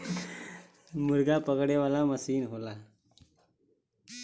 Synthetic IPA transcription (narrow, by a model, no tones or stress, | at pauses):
muɾɡapəɡɽeʋalaməsiːnɦola